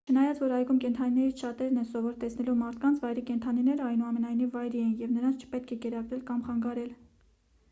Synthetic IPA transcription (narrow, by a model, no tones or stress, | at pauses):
t͡ʃʰənɑjɑt͡svɔɾɑjɡumkɛnt̪ʰɑninɛɾit͡sʰʃɑt̪ɛɾnɛsɔvɔɾt̪ɛsnɛlumɑɾt̪ʰkɑnt͡sʰvɑjɾikɛnt̪ʰɑninɛɾəɑjnuɑmɛnɑjnivːɑjɾiɛnjɛvnəɾɑnt͡sʰt͡ʃʰə̥pɛt̪̚kʰɛkɛɾɑɡɾɛlkɑmχɑŋɡɑɾɛl